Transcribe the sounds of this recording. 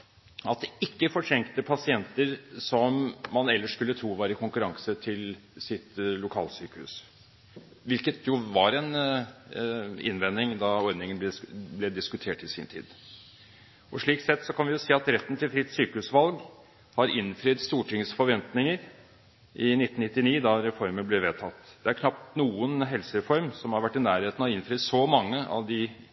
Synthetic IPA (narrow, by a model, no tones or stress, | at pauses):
ɑt̪̚d̪ɛɪkːəfɔʈʰɾɛŋkt̪əpʰɑsɪɛnt̪əɾsɔmːɑnɛlːəʂkʉlːət̪ʰɾuːʋæːɾəɪkʰʊŋkʉɾɑŋsət̪ʰɪl | sɪt̪lʊkʰɑ̰ːlsyːkəhʉ̰s | ʋɪlkət̪ʰjʊʋɑɾɛn | ɪ̰nʋɛnːɪŋd̪ɑɔɾd̪nɪŋənb̪ɛblɛd̪ɪskʉt̪ʰeːʈɪsḭːnt̪ʰḭːd̪ | ɔʂɭiːksɛt̪ːsɔkʰɑnʋɪjʊsiːɑt̪ɾɛt̪ːən̩t̪ʰɪlfɾɪt̪ːsyːkəhʉsʋɑlɡ | hɑɾɪnfɾyːt̪st̪uːʈʰɪŋsfɔɾʋɛnt̪nɪŋəɾ | ʔɪnɪt̪ːn̩ɪt̪ːɪniːd̪ɑɾɛfɔɾmənblɛʋeːt̪ʰɑt̪ːd̪̥ɛæɾkʰnɑp̚t̪nuːənɦɛlsəɾɛfɔɾmsɔmhɑɾʋæʈːɪnæːɾheːt̪n̩ɑɪnflɾyːsɔmɑŋːəɑ̰ʋd̪ɪ